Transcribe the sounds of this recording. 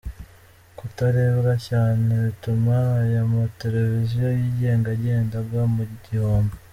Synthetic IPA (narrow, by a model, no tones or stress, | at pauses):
kutaɾe̞ːβɡacaːneβitumajamote̞ɾe̞vizijojiːɟe̞ːŋɡaɾɟe̞ːndaɡwamuɟihoːmbo